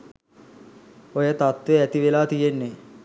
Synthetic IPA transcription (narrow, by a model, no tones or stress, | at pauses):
ojət̪at̪ʋeæt̪iʋelaːt̪ijenːe